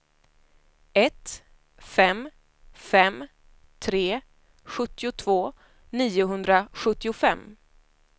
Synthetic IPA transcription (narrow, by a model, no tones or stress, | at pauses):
ɛt̪ | fɛm | fɛm | t̪ʰɾeː | ɧɵt̪ːɪʊt̪ʰvoː | niːʊɦɵnd̪ɾaɧɵt̪ːɪʊfɛmː